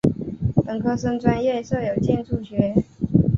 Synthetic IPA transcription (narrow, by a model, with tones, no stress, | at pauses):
pə˨˩ŋkʰɤ˥˩s̬ɤ˥ŋt͡swa˥njɛ˥˧so˥˩ʊjo˨˩ʊt͡ɕjɛ˥˧nʈ͡ʂu˥˩ɕɥɛ˧˥